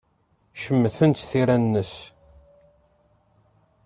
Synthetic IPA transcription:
ʃəmːθənt̪θiɾænːəs

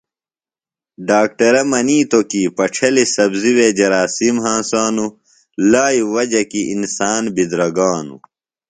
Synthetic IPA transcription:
ɖaːk̚ʈɐɾɐmɐniːt̪okipɐʈ͡ʂʰɐlisɐbziwed͡ʑɐɾaːsimɦãːsaːnu | laːjuwɐd͡ʑɐkiʔinsaːnbid̪ɾɐɡaːnṵ

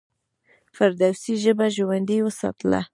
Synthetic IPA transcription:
faɾd̪awsiʒəbaʒowand̪iwəsɑ̰t̪la̰

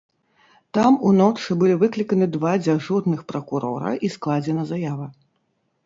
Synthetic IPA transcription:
t̪amunɔt͡ʂɨbɨlʲivɨklʲikɐnɨd̪vad͡zʲaʐurnɨxpɾɐkuɾɔ̰ɾɐ̰ʔisklˠad͡zʲɛnɐzajavɐ

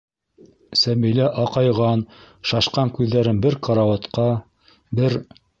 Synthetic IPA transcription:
sæmilæʔɑqɑjʁɑn | ʃɑʃqɑŋkʉðːæɾɘnbɘɾqʰɑɾɑwɑt̪qɑ | bɘɾ

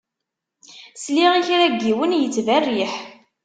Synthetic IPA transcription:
sliʁiçɾæɡːiwənjət͡sːværːiħ

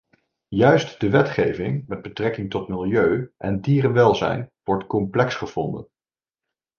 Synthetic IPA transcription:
jœɥstd̥əʋɛtχejvɪŋmɛd̚bətrɛkɪŋtɔtmɪlˠjøɥʔɛndiːrənʋɛlˠzɛ̰jnʋɔɹtkɔmplɛksχəv̥ɔndə̰n

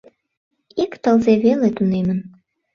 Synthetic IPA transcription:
ikt̪əlzeβelet̪unemən

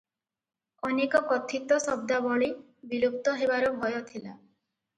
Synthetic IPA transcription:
ɔnekɔkɔt̪ʰit̪ɔsɔb̚d̪abɔɭi | bilup̚t̪ɔɦebaɾɔbʱɔjɔt̪ʰila

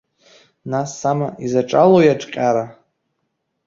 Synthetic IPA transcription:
nasːamaʔizaʈ͡ʂʼalojaʈ͡ʂʼqʲʼaɾa

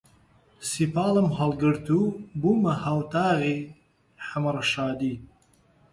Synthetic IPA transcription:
sipaːləmɦɐlɡəɾt̪ʰubumɐhawt̪aːɣi | ħamɾɐʃɑːd̪i

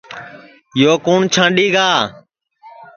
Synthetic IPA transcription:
joːkuːɳt͡ʃʰãːɳɗiːɡaː

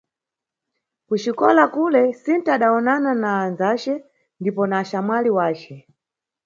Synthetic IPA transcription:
kut͡ʃikɔ̰lakulɛsintaːɗaɔnananaːnzat͡ʃɛ | ndipɔnaːʃamaliwaːt͡ʃɛ

